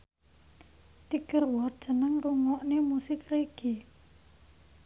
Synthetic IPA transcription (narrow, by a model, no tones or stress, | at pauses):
t̪ikərwɔt̪̚d̥ʒ̥ənəŋruŋɔʔnemusɪkreɡ̥i